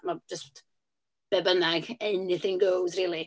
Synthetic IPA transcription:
mad͡ʒəst | b̥ɛbənaɡɛnɪθɪŋɡowdriːlˠi

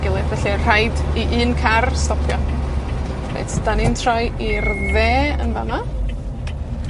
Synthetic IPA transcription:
ɡ̥ɪlˠɨðvɛɬir̥ajdiʔɨːnkʰarstɔpʰjɔ | pʰḛtʰd̥anintʰrɔjirðeːə̰nvama

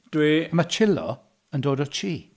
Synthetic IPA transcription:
d̥wiəmat͡ʃʰɪlɔ̰ | əndoːdɔt͡ʃʰiː

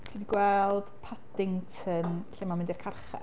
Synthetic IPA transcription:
sʰiːdiɡwɛlˠd̥pʰadɪŋtʰənɬɪmamɪndirkʰarχɛ̰

